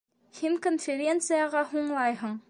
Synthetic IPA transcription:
hiŋkonfʲeɾʲent̪sɨjaʁɑɦuɴlˠɑjɦɤ̆ɴ

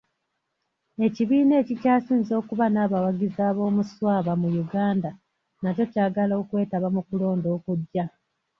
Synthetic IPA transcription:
e̞ciβiːne̞ːcicaːsiːnzo̞ːkuβanaːβawaɡizaːβo̞ːmuswaːβamujuɡaːnda | naco̞caːɡalo̞ːkwe̞ːtaβamukulo̞ːndo̞ːkuɟːa

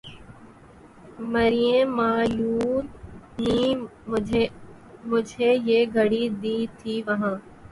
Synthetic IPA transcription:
məɾijẽmaːjuːnniː | mʊd͡ʒʱeːjeːɡʱəɽid̪iːt̪ʰiːʋɐɦãː

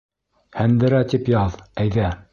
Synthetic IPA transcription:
hænd̪ɘ̆ɾæt̪ipjɑðæjðæ

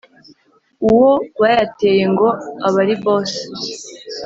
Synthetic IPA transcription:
uwowaːjate̞ːje̞ŋɡo̞aβaɾiβo̞ːse̥

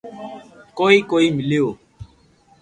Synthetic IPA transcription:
kɔikoimĩleo

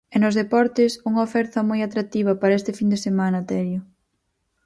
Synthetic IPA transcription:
ɛnʊzðepɔɾt̪ɪsuŋɐofɛɾt̪ɐmojat̪ɾak̚t̪iβ̞ɐpaɾɐɛst̪ɪfind̪esemanɐt̪ɛɾjʊ

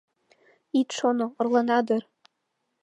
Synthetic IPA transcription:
it̪ʃonoŏrlɑnɑd̪ɤ̆r

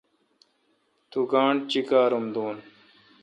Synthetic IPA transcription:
t̪uɡaːɳɖt͡ɕikaːɾumd̪uːn

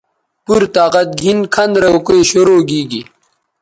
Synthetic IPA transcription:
puɾt̪aːqɐt̪̚ɡʱinkʰɐnd̪ɾɐokoeɕoɾoːɡiːɡi

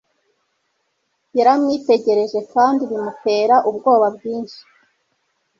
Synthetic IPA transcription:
jaɾamŋiːte̞ɟe̞ɾe̞ʒe̞kaːndiβimupe̞ɾaʔubɡo̞ːβabɡiːnʃi̥

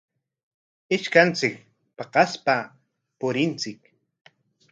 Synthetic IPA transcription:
ɪʃkant͡sɪk̚ | pɑqɑspa | pʊɾɪnt͡sɪk̚

